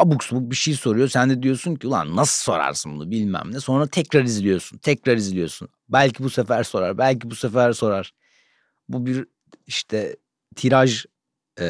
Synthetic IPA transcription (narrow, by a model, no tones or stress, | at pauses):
abuksbuk̚biʃejiso̞ɾujo̞sænd̪ɛd̪ijo̞sunciulˠa̰nːasɯso̞ɾa̰ɾsɯnbunubilʲmæ̰mlʲɛso̞nɾat̪ʰɛcɾaɾizlʲijo̞sunt̪ʰɛcɾaɾizlʲijo̞sun | bælʲcʰibusefæɾso̞ɾa̰ɾbælʲcibusefæɾso̞ɾaɾ̥ | bubiɾ | iʃt̪ʰɛ | t̪ʰiɾaʒ